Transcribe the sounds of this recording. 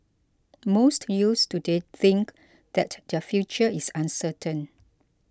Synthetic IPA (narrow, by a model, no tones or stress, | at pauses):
mostjustudeθɪ̃ŋk | d̪ɛtdəfjut͡ʃəisãnsətʰə̃n